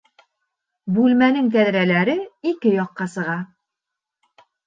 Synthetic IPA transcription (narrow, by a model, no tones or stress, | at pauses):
bʉlmænɘŋt̪æðɾælæɾɘikɘjɒqːɑsɤ̆ʁɑ